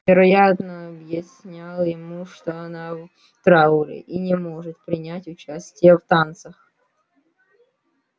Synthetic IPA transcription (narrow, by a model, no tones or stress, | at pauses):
vʲɪɾɐjat̪nəɐbjɪsʲnʲalˠjɪmuʂt̪oɐna | t̪ɾaʊlʲɪ̰ʔinʲɪmoʐɨt̪pɾʲɪnʲætʲʊt͡ɕæsʲtʲɪjəft̪ant̪səx